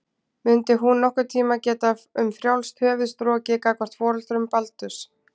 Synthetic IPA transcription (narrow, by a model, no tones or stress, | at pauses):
mʏnt̪ɪɦunːɔhkʏɾt̪ʰiːmacɛːt̪aʏmfɾjawlst̪ʰœːvʏst̪ɾɔːcɪkaːkvɔr̥t̪fɔːɾʏlt̪ɾʏmpalt̪ʏs